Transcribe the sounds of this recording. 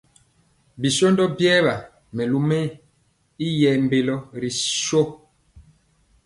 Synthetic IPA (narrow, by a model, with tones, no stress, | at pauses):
bi˨so˦ndɔ˦bjɛː˦βa˨ | mɛ˨lu˦mɛ˦ | i˦jɛ˨mbe˨lɔ˦ɾi˨ʃo˦